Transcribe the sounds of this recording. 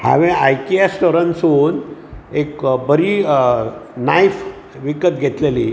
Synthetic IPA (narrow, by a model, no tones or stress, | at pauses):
ha̰ʋẽajkiasʈoɾənsuːnekbəɾi | najf | ʋikət̪̚ɡʱet̪leli